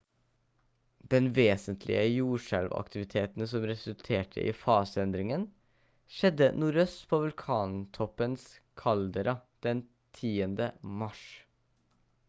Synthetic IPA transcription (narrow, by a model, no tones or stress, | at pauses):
d̪̥ɛnʋeːsənt̪ʰlɪ̰əjuːʂælʋɑ̰kt̪ʰɪʋɪt̪ʰeːt̪n̩sɔmɾɛsʉlt̪ʰeːʈʰə̰ʔḭːfɑːsəɛnd̪ɾɪŋən | ʃɛd̪ːənuːɾœst̪pʰoːʋʉlkʰɑːnt̪ʰɔpːənskʰɑld̪əɾɑd̪̥ɛn | t̪ʰiːənd̪əmɑʂ